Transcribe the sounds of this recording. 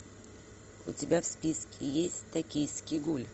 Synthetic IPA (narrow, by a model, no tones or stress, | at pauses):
ʊ̰tʲɪbʲafspʲiskʲɪjesʲtʲt̪ɐkʲijskʲɪɡulʲ